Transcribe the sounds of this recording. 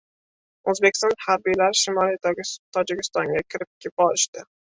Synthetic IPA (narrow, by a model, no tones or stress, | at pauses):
ɵzbekʲst̪ɒnhaɾbijlaɾʃɪmɒlˠiet̪ʲt̪ʰɒd͡ʒɪkʲɪ̥st̪ɒŋɡʲakʲʰɪɾɪp̚kʲʰep̚ɒlɪʃt̪ɪ